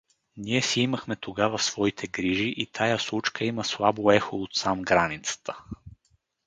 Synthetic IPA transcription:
niɛsiiməxmɛt̪oɡavəsvɔit̪ʰɛɡɾiʒiʔit̪ʰajaslˠut͡ʃkʰəiməslˠaboɛxoot̪samɡɾanit̪sə̥t̪ʰə̥

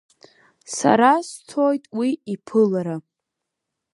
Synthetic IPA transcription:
sa̰ɾastʰojtʼwiipʰɨlaɾa

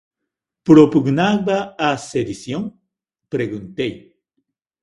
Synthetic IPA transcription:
pɾopuɡnaɡbaased̪isjoŋ | pɾeɣunt̪ej

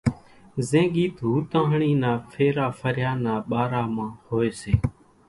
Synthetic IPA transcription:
zẽːɠiːt̪ɦuːt̪ãːɦɳiːnaːfʰeːɾaːfʰəɾjaːnaːɓaːɾaːmãːhoːeːseː

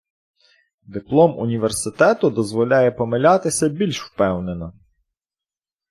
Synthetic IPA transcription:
d̪ɪplˠɔmʊ̰nʲiʋersɪt̪ɛt̪ʊd̪ɔzʋɔlʲajɛpɔmelʲat̪ɪsʲɐbʲilʲʃwpɛwnenɔ

